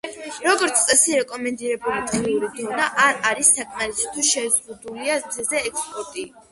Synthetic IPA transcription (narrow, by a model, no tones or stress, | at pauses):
ɾɔɡɔɾt̪sʰt̪ʼɛsiɾɛkʼɔmɛnd̪iɾɛbulit̪ʼiniuɾid̪ɔnaʔaɾaɾisːakʼʰmaɾisʰi̥t̪ʰuʃɛzʁud̪uliamzɛzɛːkspʼɔɾt̪ʼi